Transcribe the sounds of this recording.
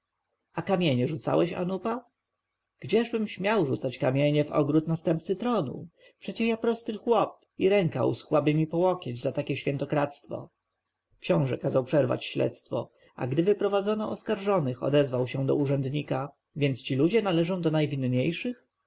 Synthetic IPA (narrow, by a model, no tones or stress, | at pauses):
akamʲjeɲɛʐut̪sa̰wɛɕa̰nupa | ɡ̥d͡ʑɛʐbɘmɕmʲjawʐut̪sat͡ɕkamʲjeɲɛvɔ̰ɡɾut̪nast̪ɛmp̪̚sɘt̪ɾɔnṵ | pʂɛt͡ɕɛjapɾɔst̪ɘxwɔp̚ | iɾɛŋka̰wsxwabɘmʲipɔwɔkʲed͡ʑzat̪akʲɛɕfʲjɛnt̪ɔkɾat̪st̪fɔ̰ | kɕɔ̃w̃ʐɛ̰kazawpʂɛɾva̰t͡ɕɕlɛ̰t̪st̪fɔ̰ | a̰ɡd̪ɘvɘpɾɔvad̪zɔnɔʔɔskaɾʐɔnɘxɔ̰d̪ɛzvawɕɛd̪ɔ̰uʐɛnd̪ɲika | vʲjɛnt̪st͡ɕilud͡ʑɛnalɛʐɔ̃w̃d̪ɔnajvʲinɲejʂɘx